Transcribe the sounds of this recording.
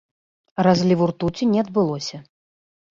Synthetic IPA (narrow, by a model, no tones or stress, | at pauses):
razʲlʲivurt̪ut͡sʲinʲɛad̪̚bɨlˠɔsʲɐ